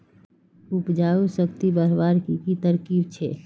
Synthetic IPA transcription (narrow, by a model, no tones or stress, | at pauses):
upd͡ʒaːusəkt̪ibəɾbaːɾkikit̪əɾkiːbt͡ʃʰe